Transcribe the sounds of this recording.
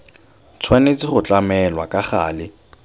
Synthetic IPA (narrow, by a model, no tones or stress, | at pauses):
t͡sʰwanet͡sʼɪχʊt͡ɬʼamɛlwakʼaχaːlɪ